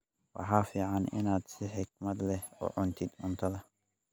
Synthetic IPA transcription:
wɑ̰ħaːfiːʕanɪ̰naːd̪sɪħɪk̚mɐd̪lɛhɔ̰ːʕʊnt̪ʰɪd̪ʕʊnt̪ʰɐðɐ

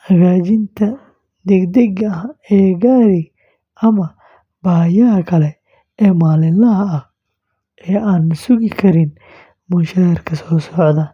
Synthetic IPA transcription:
hɐɣaːt͡ʃɪnt̪ʰɐ | d̪ɛɡd̪ɛɣɐɐɛːɡaːɾɪ | ʔɐmɐ | b̥aːjɐɦɐkʰɐlɛ | ɛːmaːlɪnlɐɦɐɐ | ʔɛːaːnːʊsʊɣɪkʰɐɾɪn | mʊʃɐɾɪrkʰɐsɔːsɔʕd̪ɐ

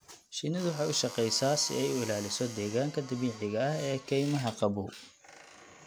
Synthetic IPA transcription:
ʃɪnɪðwʊħɑːʊʃɑqɛjsaːsɪ̰ɛjʊɪlaːlɪsɔd̪ɛːɣaːŋkʰɐd̪ɐβiːʕɪɣɐɐhɛːkʰɛjmɐɦɐqɑbṵː

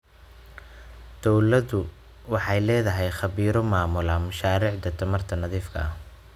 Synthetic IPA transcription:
d̪̥ɔwlɐðʊ | wɑħɑjlɛːðɐɦɛjχɑβiːɾɔmaːmʊlɐmɐʃaːɾiːʕd̪ɐt̪ʰɐmɐrt̪ʰɐnɐðiːfkʰɐ̰ɐh

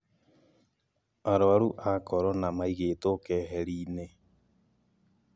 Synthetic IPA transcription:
aɾɔaɾuʔakɔɾɔnamaiɣeːtokɛːɦɛɾiːne

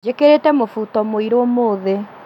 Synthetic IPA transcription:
d͡ʒekeɾetɛmofutɔmoiɾomoːðe

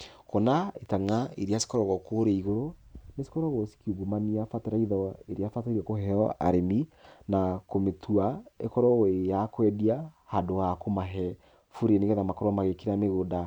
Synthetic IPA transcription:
kɔnaetaŋaiɾiasi̥kɔɾɔɣɔkoɾeiɣoɾonesi̥kɔɾɔɣosi̥kiuɡumaniafateɾaiðɔeɾeafataɾakoɦɛɔa̰ɾeminakometʰuaḛkɔɾɔejakwɛdia | hadoakomaɦɛ | fuɾeneɣɛðamakɔɾɔamaɣekiɾameɣoda

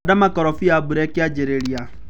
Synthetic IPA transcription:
damakɔɾɔfiabuɾɛkɪad͡ʒeɾeɾia

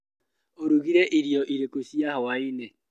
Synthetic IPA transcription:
oɾuɣiɾɛʔiɾiɔʔiɾekosiahɔwaine

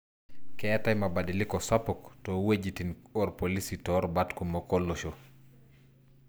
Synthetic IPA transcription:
kɛtajmabadɪlɪkɔsapɔktɔwed͡ʒitinɔɾpolisitɔɾbatkomokɔloʃo

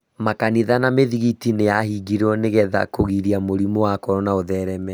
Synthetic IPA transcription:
makaniðanameðiɣitinejahiɡiɾɔneɣɛða̰koɣiɾiamoɾimowakɔɾɔnaoðɛɾɛmɛ

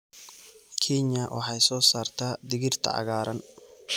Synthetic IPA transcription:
kʰɛɲɐwʔɑ̰ħɑjsɔːsaːrt̪ʰaːd̪ɪɣɪrt̪ʰɐ̰ʕɑ̰ɣaːɾɐn

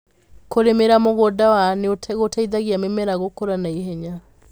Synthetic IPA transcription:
koɾemeɾamoɣodawaneotɣotaiðaɣiamemɛɾaɣokoɾanaiɦɛɲa

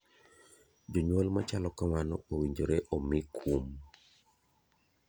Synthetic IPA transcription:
d͡ʒoɲwɔlmat͡ʃalɔkamanɔowiɲd͡ʒoɾeʔɔmɪkʰum

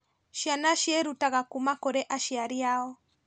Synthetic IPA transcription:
ʃianaʃiɛɾutaɣakumakoɾɛʔaʃiaɾiaɔ

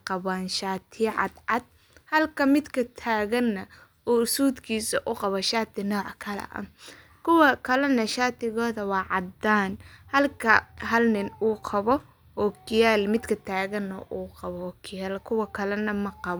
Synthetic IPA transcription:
qɑβaːnʃaːt̪ʰɪʕɑ̰d̪ʕɑd̪̚ | hɐlkʰɐmɪd̪kʰɐt̪ʰaːɣɐnːɐ | uːsuːd̪kʰiːsɐʔʊqɑβɔʃaːt̪ʰɪnɔːʕkʰɐlɛ̰ʔɐ̰ | kʰʊwɐkʰɐlɐnɐʃaːt̪ʰɪɣɔːðɐwɑːʕɑd̪aːnhɐlkʰɐɦɐlnɪnuːqʰɑβɔ | ɔːkʰɪjaːlmɪd̪kʰɐt̪ʰaːɣɐnːɐ̰ʔuːqɑβɔːkʰɪjaːlkʰʊwɐkʰɐlɛnɐmɐqɑβ

